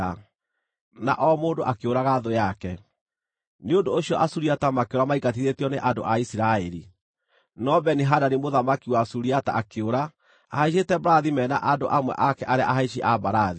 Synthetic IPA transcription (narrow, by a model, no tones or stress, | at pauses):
a | na̰ʔɔmoːndoʔakeoɾaɣaðojakɛ | neondoːɕiɔʔasuɾiatamakeoɾamaikat̬iðetiɔneʔando̰ʔaisiɾaɛɾi | nɔbɛniɦadanimoðamakiwasuɾiata̰akeoɾa | ahaiʃ̬etɛbaɾaðimɛːnaʔando̰ʔamwɛ̰ʔakɛʔaɾeaʔaɦaiʃ̬iʔabaɾaði